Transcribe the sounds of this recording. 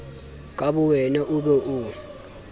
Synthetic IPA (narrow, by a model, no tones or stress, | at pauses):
kʼaɓuwɛnaʔuɓɛʔu